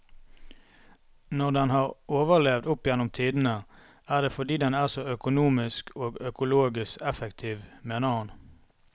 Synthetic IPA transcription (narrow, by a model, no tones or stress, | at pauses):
nɔʁd̪ɛnhɑːʁoːʋəʁlɛʋd̪ʊpjɛnʊmt̪ʰiːd̪n̩ə | æːʁd̪eːfɔd̪iːd̪ɛnæːʁsɔœkʊnuːmɪskʰoːɡœkʊloːɡɪskɛfɛkt̪ʰiːʋmeːnəhɑn